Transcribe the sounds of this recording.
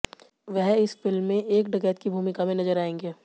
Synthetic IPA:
ʋɛɦɪsfɪlmːẽʔeːkɖɐɡɛːt̪̚kibʱuːmɪkamẽnɐzəɾaːẽːŋɡeː

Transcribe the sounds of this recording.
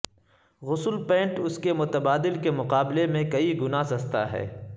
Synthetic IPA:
ɣʊsəlpɛ̃ːɳʈʊskemʊt̪əbaːd̪ɪlkemʊqaːblemẽkɐiɡʊnasɐzt̪a̰ɦɛ̰ː

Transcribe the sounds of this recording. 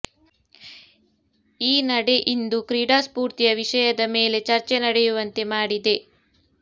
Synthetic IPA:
iːnɐɽe̞ʔind̪ukɾiːɖaːspuːɾt̪ijɐʋiʂɐjɐd̪ɐme̞ːle̞t͡ʃɐɾt͡ʃenɐɽejuʋɐnt̪e̞maːɽid̪e̞

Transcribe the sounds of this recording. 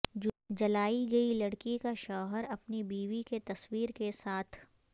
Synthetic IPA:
d͡ʒɐlaːiɡɐilɐɽkikaʃɔːɦəɾɐpnibiːʋiket̪ɐswiːɾkesaːt̪ʰ

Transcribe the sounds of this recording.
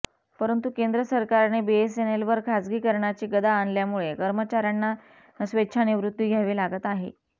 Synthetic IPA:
pəɾənt̪ukend̪ɾəsəɾkaɾnebees̬enelʋəɾkʰad͡zɡiːkəɾɳjat͡ɕiːɡəd̪aːnljamuɭekəɾmət͡ɕaɾjanːa | əsʋetːɕʰaniʋɾut̪ːʋiːɡʱjaʋiːlaɡət̪aɦḛ

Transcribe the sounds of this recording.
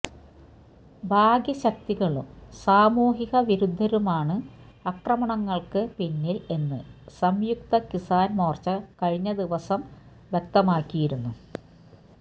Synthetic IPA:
bʱaːɡjɐɕɐk̚t̪iɣɐɭumsaːmuːɦiɣɐʋiɾud̪ʱːɐɾumaːɳɨ | ɐkrɐmɐɳɐŋːɐɭkɨpinːile̞nːɨsɐmjuk̚t̪ɐkisaːnmoːrt͡ɕːɐkɐɻiɲːɐd̪iʋɐsɐm | ʋjek̚t̪ɐmaːkʲːijiɾunːu

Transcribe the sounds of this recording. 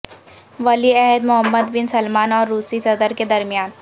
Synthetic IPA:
ʋɐliɛɦəd̪mʊɦəmːəd̪bɪnsɐlmaːnɔːɾːuːsisɐd̪əɾked̪ɐɾmijaːn

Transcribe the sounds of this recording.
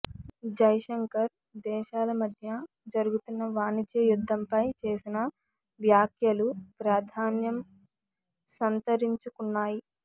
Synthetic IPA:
d͡ʒɐjʃɐŋkɐɾ | d̪ɛːʃaːlɐmɐd̪ʱjɐ | d͡ʒɐɾuɡut̪unːɐʋaːnid͡ʒ̪jɐjud̪ʱːɐmpɐjt͡ʃe̞ːsinɐ | ʋjaːkʰjɐlupɾaːd̪ʱaːnjɐm | sɐnt̪ɐɾiɲt͡ʃukunːaːji

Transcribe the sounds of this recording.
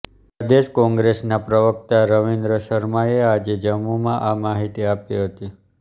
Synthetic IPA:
əd̪eʃkɔ̃ŋɡɾesnapɾəʋək̚t̪aɾəʋind̪ɾəsəɾmaead͡ʒed͡ʒəmːumãʔamaɦit̪iapiɦət̪i

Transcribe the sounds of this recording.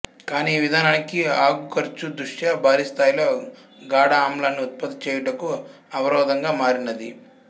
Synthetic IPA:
kaːniːʋid̪ʱaːnaːnikiaːɡukɐɾt͡ʃud̪ɾuʂjabʱaːɾist̪ʰaːjloː | ɡaːɽaːmlaːnːiut̪̚pɐt̪ːɐt͡ʃɛːjɐɽɐku | ɐʋɐɾɔːd̪ɐŋɡaːmaːɾinɐd̪i

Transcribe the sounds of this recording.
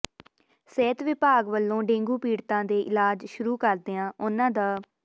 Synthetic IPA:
sɛːt̪ʋɪpaːɡʋəlːõːɖẽːŋɡuːpiːɽt̪ãːd̪eːʔɪlaːd͡ʒʃʊɾuːkəɾd̪eːãːʔʊnãːd̪aː

